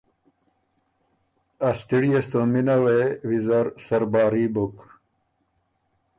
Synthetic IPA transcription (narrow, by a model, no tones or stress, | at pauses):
ɐst̪iɽijɐst̪ominɐwewizɐɾsɐɾbaːɾibok